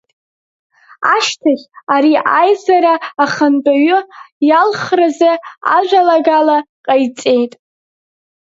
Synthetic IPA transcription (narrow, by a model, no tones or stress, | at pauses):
aʃtʰaχʲaɾiʔajzaɾaːχant͡pʼaɥʊjalχrazaa̰ʒᶣʷalaɡalaqʼajt͡sʼe̞jtʼ